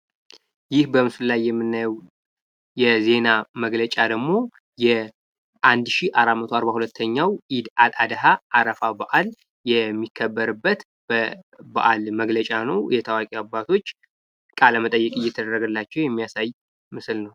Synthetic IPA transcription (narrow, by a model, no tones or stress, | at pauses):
jɪhbəmɨsɨllajːɛmːɨnːajɛw | jɛze̞naməɡlət͡ʃʼad̪əɡmo̞ | jɛ | ʔand̪ʃiʔaɾamət̪ʰoaɾβahulət̪ʰːəɲːawʔid̪alad̪əɦaʔːɾəfabaʔal | jɛmːikʰːəbːəɾɨbːət̪ | b̥əba̰ʔalməɡlət͡ʃʼanəwjɛt̪ʰawakʼiabːat̪ʰo̞t͡ʃː | kʼalːəmət̪ʼəjːɛkʼɨjːɛt̪ʰəd̪ərːəɡɨlːat͡ʃːɛwjɛmːijasaj | mɨslnəw